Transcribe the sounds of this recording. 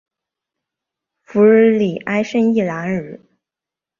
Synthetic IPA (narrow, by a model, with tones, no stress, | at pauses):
fu˧˥˩li˨˩ʔa˥ɪʂə˥ni˥˩la˧˥nɻ̩˨˧˩